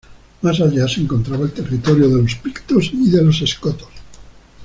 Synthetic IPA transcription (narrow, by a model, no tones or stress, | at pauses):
masaʎaseeŋko̞nt̪ɾaβae̞lt̪e̞rit̪oɾjoðe̞lospikt̪osiðe̞lo̞se̞skot̪o̥s